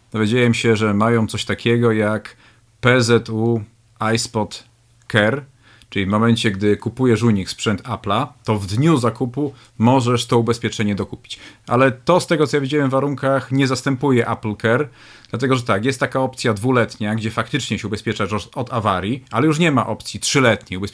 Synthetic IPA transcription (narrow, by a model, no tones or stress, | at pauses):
d̪̥ɔvʲjed͡ʑajɛmɕɛʐɛmajɔ̃w̃t̪sɔɕt̪akʲʰɛɡɔjak | pɛzɛt̪u | ajspɔt̪ | kɛɾ | t͡ʂɘlʲivmɔmɛnt͡ɕɛɡd̪ɘkupujɛʂuɲikspʂɛnt̪ʰaplat̪ɔvd̪ɲuzakupu | mɔʐɛʂt̪ɔubɛspʲjɛt͡ʂɛɲɛd̪ɔkupʲi̥t͡ɕʔa̰lɛt̪ɔst̪ɛɡɔt̪ɔjavid͡ʑawɛmɱvːaɾuŋkaxɲɛzast̪ɛmpujɛʔaplkɛɾ | d̪̥lat̪ɛɡɔʐɛt̪akjɛst̪ːakaɔp̚t̪sʲjad̪vulɛt̪ɲaɡd͡ʑɛfak̚t̪ɘt͡ʂɲɛɕɛubɛspʲjɛt͡ʂaʂɔɔd̪avaɾʲjialɛjuʂ̬ɲɛmaʔɔpt̪sʲjitʂɘlɛt̪ɲɛjubɛ